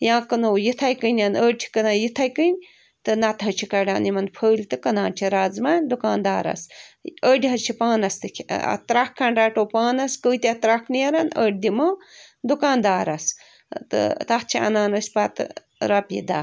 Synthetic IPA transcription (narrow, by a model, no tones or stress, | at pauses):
jãːkɐnoːjit̪ʰajkənʲanəːɖ̚ʲt͡ʃʰi̥kɐnaːjit̪ʰajkənʲ | t̪ɨnɐt̪ɐt͡ʃʰikɐɖa̰ːnimɐnpʰəːlʲt̪ɨkɐnãːnt͡ʃʰiɾaːzmaːnʲd̪ukaːnd̪aːɾɐ̰səːɖʲiɦɐt͡ʃʰipaːnɐst̪ɨkʲʰɐ̰t̪ɾakkʰːɐnɾaːʈoːpaːnɐskəwt̪ʲiat̪ɾaknijɐɾɐnəːʈ̚d̪imɐːd̪ukãːnd̪aːɾɐs | t̪ɨ̰t̪ɐht͡ʃʰiɐ̰naːnosʲpaːt̪ | ɾɐpjḭd̪a̰ː